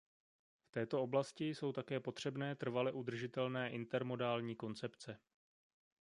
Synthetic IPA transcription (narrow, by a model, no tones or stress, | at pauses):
ft̪ɛːt̪o̞o̞blascɪjso̞wt̪akɛːpo̞t̪r̝̥ɛbnɛːt̪r̩valɛʔud̪r̩ʒɪt̪ɛlnɛːʔɪnt̪ɛɾmo̞daːlɲiːko̞nt͡sɛpt͡sɛ